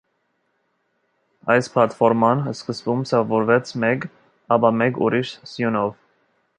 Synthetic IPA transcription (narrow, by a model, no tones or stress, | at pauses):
ɑjspʰlɑt̪fɔɾmɑnəskəsvumsɑvɔɾvɛt͡sʰmɛk | ɑpɑmɛkṵɾiʃsjunɔv